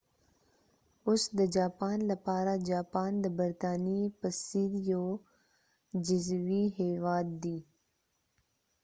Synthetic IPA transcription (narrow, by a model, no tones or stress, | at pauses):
ʊsd̪əd͡ʒaːpaːnlɐpaːɾad͡ʒaːpaːnd̪əbɐɾt̪aːnipəsid̪joː | d͡ʒɪzwiɦeːwaːd̪̚ːiː